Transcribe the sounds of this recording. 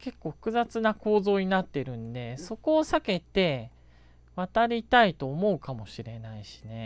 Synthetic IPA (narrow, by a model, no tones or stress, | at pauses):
ke̞kːo̞ːɸɯ̥kɯ̟zat͡sɨnako̞ːzo̞ːɲ̟inat̪ːe̞ɾɯ̟̃nd̪e̞so̞ko̞ːsake̞t̪e̞ | βat̪aɾʲit̪ait̪o̞ːmo̞ɯ̟kamo̞ɕiɾe̞naiɕi̥ne̞